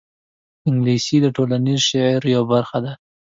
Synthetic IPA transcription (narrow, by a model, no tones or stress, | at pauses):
ɪŋɡlisid̪əʈolanizʃaʕɾjawbaɾxad̪a